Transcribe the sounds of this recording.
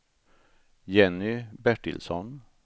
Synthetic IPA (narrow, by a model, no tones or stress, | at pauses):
jɛnːʏbæʈɪ̰lsɔn